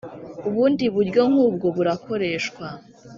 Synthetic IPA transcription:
uβuːndiβuɾɟo̞ŋ̥huːbɡo̞βuɾakʰo̞ɾe̞ːʃkwa

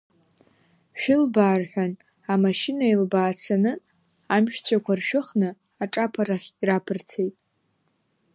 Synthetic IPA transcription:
ʃᶣʊlbaːrħʷᶣan | amaʃɪnailbaːt͡sʰanɨ | amʃᶣt͡sʷʰakʷʰarʃᶣʊχnɨ | aʈ͡ʂʼapʰaɾaχʲirapʰɨrt͡sʰejtʼ

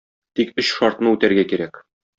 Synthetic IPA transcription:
t̪ikɵɕʃɒɾt̪nɤʉt̪æɾɡækiɾæk

